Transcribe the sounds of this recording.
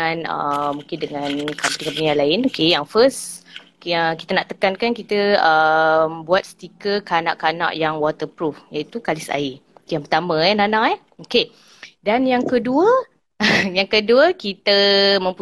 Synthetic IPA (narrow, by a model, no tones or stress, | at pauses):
anə̰mːũŋkɪndəŋankamp̪likampənialaɪnokejaŋfəs | kəkit̪ənaʔt̪əkankankit̪əəmbuat̪̚st̪ikəkana̰ʔkanã̰ʔjaŋwɔt̪əpɾufjait̪ukalɪsa̰ijaŋpərt̪amə̃ɛnanaʔɛ | oke | danjaŋkəduə | jaŋkəduəkit̪əmə̃mp